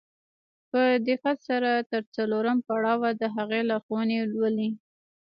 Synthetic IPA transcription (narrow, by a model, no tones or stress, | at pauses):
pəd̪ɪqat̪saɾat̪əɾt͡saloɾəmpaɽɑwad̪əɦaɣelaxowənelwəli